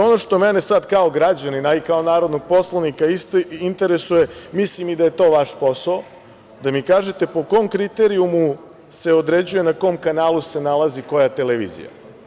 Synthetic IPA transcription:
o̞no̞ʃt̪o̞mene̞sad̪kao̞ɡɾad͡ʑaninaikao̞naːɾo̞d̪noɡ̚po̞slˠaʋnikaist̪oint̪e̞ɾesuje̞mislimid̪aje̞t̪o̞ːʋaʃpo̞sao | d̪amikaːʒet̪e̞po̞ko̞mkɾit̪eɾiumu | se̞od̪ɾe̞d͡ʑuje̞nako̞mkanaːluse̞nalˠaziko̞jat̪e̞leʋḭːzḭja̰

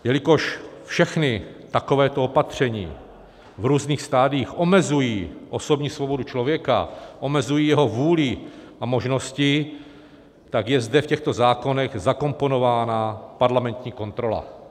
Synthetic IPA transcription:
jɛlɪko̞ʃfʃɛxnɪt̪akovɛːt̪oopat̪r̝̥ɛɲḭː | vɾuːzniːxst̪aːdɪiːxʔomɛzujiːʔo̞so̞bɲiːsvobo̞dut͡ʃlovjɛka̰ʔo̞mɛzujiːjɛɦo̞vuːlɪ | amoʒno̞scɪ | t̪aɡjɛzdɛfcɛxt̪o̞zaːko̞nɛɣzako̞mpo̞no̞vaːnapaɾlamɛnt̪ɲiːko̞nt̪ɾo̞la̰

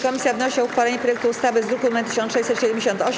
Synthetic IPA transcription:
kɔmʲisʲjavnɔɕiauxfalɛɲɛpɾɔjɛk̚t̪uːst̪avɘzd̪ɾukumat̪ɘ̥ɕ̬ɔ̃nʂɛjɕsɛt̪ɕɛd̪ɛmd͡ʑeɕɔnt̪ɔɕ

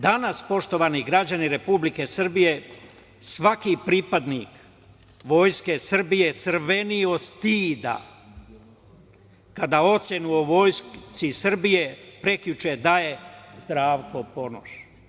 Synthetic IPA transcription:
d̪anaspo̞ʃt̪o̞ʋaniɡɾad͡ʑaniɾe̞publike̞sr̩bije̞ | sʋakipɾiːpad̪nik | ʋo̞jske̞sr̩bije̞t̪sɨr̩ʋe̞nio̞st̪iːd̪a̰ | kad̪ao̞t̪sʲjenuoʋo̞jst̪sisr̩bije̞pɾe̞kʎut͡ʃed̪aje̞zd̪ɾaːʋko̞po̞no̰ʃ

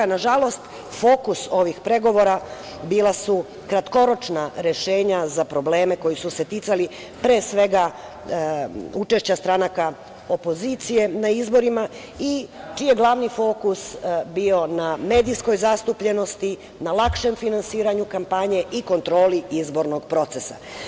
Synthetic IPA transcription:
naʒalˠo̞st̪ | fo̞ːkuso̞ʋixpɾe̞ɡo̞ʋo̞ɾa | biːlˠasu | kɾat̪ko̞ɾo̞t͡ʃnaɾe̞ʃe̞ːɲazapɾo̞ble̞ːme̞ko̞jisuse̞t̪it̪sali | pɾeːsʋe̞ɡa | ut͡ʃe̞ʃt͡ɕast̪ɾanaka | o̞po̞zit̪sije̞naizbo̞ɾima | it͡ʃijeɡlˠaʋnifo̞kusbio̞name̞ːd̪isko̞jzast̪upʎe̞no̞st̪i | nalˠakʃe̞mfinansiːɾaɲukampaɲe̞ʔiko̞nt̪ɾo̞ːliizbo̞ɾno̞ɡpɾo̞t̪se̞sa̰

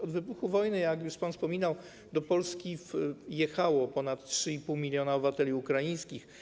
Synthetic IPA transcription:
ɔd̪vɘbuxuvɔjnɘjakjuʂpanfspɔmʲinaw | d̪ɔpɔlskʲifjɛxawɔpɔnat̪ːtʂɘipuwmʲilʲjɔnaɔbɘvat̪ɛlʲiukɾajĩj̃skʲix

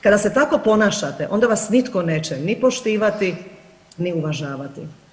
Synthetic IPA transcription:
kad̪aset̪ako̞po̞naːʃat̪eʔo̞nd̪aʋasnit̪koneːt͡ɕɛnipoʃt̪iːʋat̪i | niuʋaʒaːʋat̪ḭ

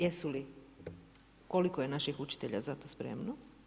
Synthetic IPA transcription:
jesuli | ko̞likojenaʃixut͡ʃi̥t̪eʎa̰zat̪o̞spɾe̞̰mno

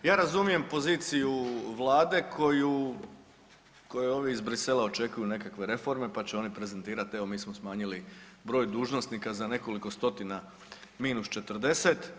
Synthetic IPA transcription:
jaːɾazumije̞mpo̞ziːt̪sijuʋlˠaːd̪e̞kʰo̞ju | ko̞jeo̞ːʋiizbɾise̞lao̞t͡ʃe̞kujune̞kakʋe̞ɾe̞fo̞ɾme̞pat͡ɕeo̞nipɾe̞ze̞nt̪iːɾat̪e̞ʋo̞miːsmosmaːɲilibɾo̞ːjd̪uːʒno̞st̪nikazane̞ko̞liko̞st̪o̞t̪ina | miːnust͡ʃe̞t̪rd̪e̞se̞t̪

